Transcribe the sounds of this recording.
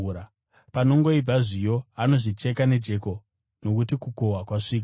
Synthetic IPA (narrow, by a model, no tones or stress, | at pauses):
ɾa | pano̞ŋɡo̞ib͡vaʐijo̞ano̞ʐit͡ʃe̞kane̞d͡ʒe̞ko̞ | no̞kutikuko̞ɦakwaʂiːka